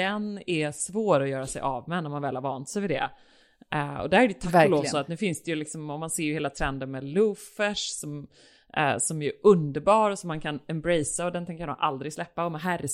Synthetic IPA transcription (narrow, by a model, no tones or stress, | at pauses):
ɛnæsvoːɾɔjœːɾasɛ̰jʔɑvmɛnɔɾmanvɛːlhaɾvɑːnt̪sɛjvɪd̪ɛ̰ | ɔ̰d̪æɾæɾɛjt̪ʰakːloːsɔat̪nʉ̟ːfɪnsd̪ɛjɵlɪksɔmɔmanseːɾjheːlat̪ʰɾɛnd̪ənmɛlɵfɛʂsɔm̰ | sɔmæjɵʔɵnd̪əɾbɑːɾɔsɔmːankʰanɛmbɾɛjsaɔd̪ɛnt̪ʰɛnŋkʰaɾd̪ɔ̰mʔald̪ɾɪɡslɛpːaɔmɛɦæɾː